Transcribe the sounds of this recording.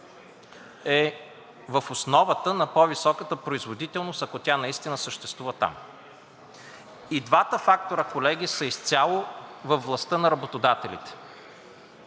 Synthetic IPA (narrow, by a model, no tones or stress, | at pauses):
ɛ | vəfosnɔvət̪ənɐpɔvisɔkət̪əpɾoizvod̪it̪ɛlˠnost̪ɐkot̪ʲanɐist̪inəsəʃt̪ɛst̪vuvət̪a̰m | id̪vat̪əfak̚t̪oɾəkolɛɡʲisəist̪sʲalˠovəfvlˠɐst̪ɤnɐɾɐbot̪od̪at̪ɛlḭt̪ɛ̥